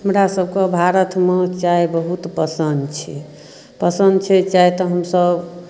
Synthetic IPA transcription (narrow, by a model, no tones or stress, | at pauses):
ɦəmɾasəb̚ʱkebʱaɾət̪met͡ʃaebəɦut̪pəsənd̪t͡ʃʰɛ | pəsənd̪t͡ʃʰɛt͡ʃajt̪ɔɦəmsəb